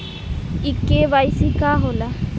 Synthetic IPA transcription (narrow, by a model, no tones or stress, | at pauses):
ikːebajsikaɦola